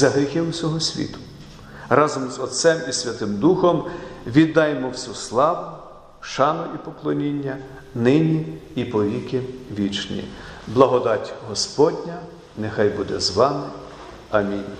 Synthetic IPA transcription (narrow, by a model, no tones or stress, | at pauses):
zɐɦɾʲixɪwsʲɔɦɔsʲʋʲḭt̪ʊ̥ | rɑzɔmzɔt̪sɛmisʲʋʲɐt̪ɪmd̪uxɔmʋʲid̪ːɑjmɔwsʲuslˠɑʋʊ | ʃɑnʊʔipɔklˠɔnʲinʲːɐ | nɪnʲiipɔʋʲikɪʋʲit͡ʃnʲḭblˠɐɦɔd̪ɑtʲɦɔspɔdʲnʲɐ | nexɑjbud̪ɛzʋɑmɪ | ɐmʲinʲ